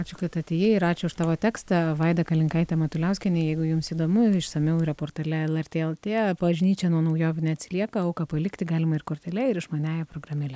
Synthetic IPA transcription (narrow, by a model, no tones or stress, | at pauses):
ɑːt͡ʃʲʊkɐt̪ɐt̪ʲejɛɪɾɑːt͡ʃʲʊʊʃt̪ɑːʋoːt̪ʲæːkstt̪ɑʋɐɪd̪ɐkɐlʲɪŋkɐɪt̪ʲɛmɐt̪ʊlʲɛʊsʲkʲɛnʲɪːjɛɪɡʊjʊmsiːd̪oːmʊɪʃsɐmʲɛʊiɾɐpoːɾt̪ɐlʲɛɛlˠɛɾʲt̪ʲeːɛlˠt̪ʲeːpɐʋɐʒʲnʲiːt͡ʃʲɛnuɔnɐʊjoːʋʲnʲɛɐt̪ʲsʲɪlʲiɛkɐɐʊkɐpɐlʲɪkt̪ʲɪɡɑːlʲɪmɐɪrkoːɾʲt̪ʲɛlʲɛɪɾɪʃmɐnʲæːjɛpɾoːɡɾɐmʲɪlʲɛ